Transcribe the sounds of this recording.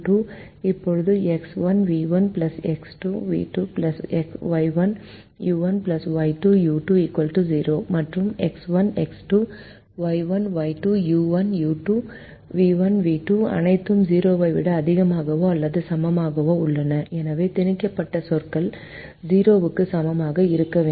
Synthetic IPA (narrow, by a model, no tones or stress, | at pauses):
ʈuː | ipːoɻud̪ueksʋɐnʋiːʋɐnplɐseksʈuːʋḭːʈuːplɐseksʋɐjʋɐn | juːʋɐnplɐsʋɐjʈujuːʈuiːkʋɐlʈud͡ʒiːɾoːmɐʈɾumeksʋɐneksʈuː | ʋɐjʋɐnʋɐɪʈuːjuːʋɐnjuːʈu | ʋiːʋɐnʋiːʈuːɐ̰nɐɪt̪ːɯmd͡ʒiːɾoːʋɐɪʋɪɽɐːðɪɣɐmaːɣɐʋõːɐlːɐðɯsɐmɐmaːɣɐʋõːʊɭːɐnɐɛnɐʋeːt̪ɪnɪkːɐpːɐʈːɐsɔɾkɐl | d͡ʒiːɾoːʋɯkːɯsɐmɐmaːɣɐɪɾɯkːɐʋeː